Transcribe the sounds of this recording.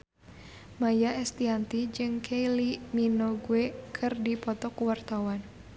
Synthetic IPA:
majaɛst̪iant̪id͡ʒɨŋkʰeiliminoɡuɛkʰɨrdipɔt̪ɔkuwart̪awan

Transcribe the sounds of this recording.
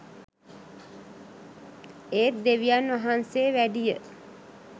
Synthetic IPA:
eːt̪̚d̪eʋijanːʋaɦanseːʋæɖijə

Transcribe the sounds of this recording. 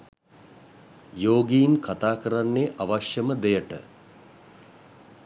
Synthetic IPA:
joːɡijinkat̪aːkəɾanːeʔaʋaʃjəməd̪ejəʈə̰

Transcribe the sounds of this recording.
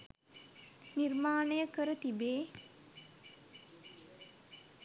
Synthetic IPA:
nirmaːnəjəkəɾət̪ibeː

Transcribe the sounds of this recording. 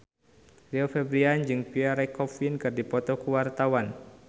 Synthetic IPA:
riofɛbɾiand͡ʒɨŋpiaɾɛkɔfinkɨrdipɔt̪ɔkuwart̪awan

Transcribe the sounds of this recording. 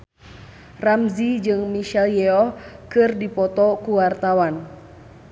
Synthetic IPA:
ramzid͡ʒɨŋmiʃɛljɛɔkɨrdipɔt̪ɔkuwart̪awan

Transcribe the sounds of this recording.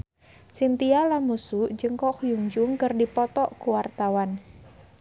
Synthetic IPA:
sint̪ialamusud͡ʒəŋkɔkujuŋd͡ʒuŋkərdipɔt̪ɔʔkuwart̪awan

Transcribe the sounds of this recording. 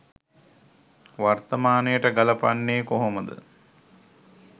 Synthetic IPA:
ʋart̪ɐmaːnəjəʈəɡalɐpa̰nːeːkoɦoməd̪ə̰

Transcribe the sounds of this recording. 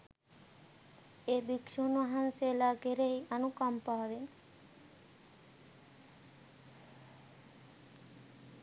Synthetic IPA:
eːbikʃunʋaɦanseːlaːɡeɾeianukampaːʋen

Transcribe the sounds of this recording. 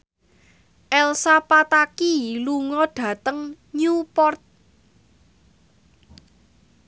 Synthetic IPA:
ʔɛlsapat̪akiluŋɔɖ̥ä̤t̪əŋ | ɲupɔrt̪̚

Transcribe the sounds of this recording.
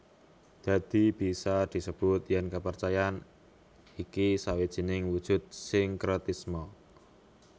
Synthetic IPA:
d̪̥a̤d̪̥i̤b̥i̤sad̪̥i̤səb̥ʊt̪jɛnkəpərt͡ʃajan | ikisawid̥ʒ̥i̤nɪŋwud̥ʒ̥ʊ̤t̪̚sɪŋkɾɔt̪ismɔ

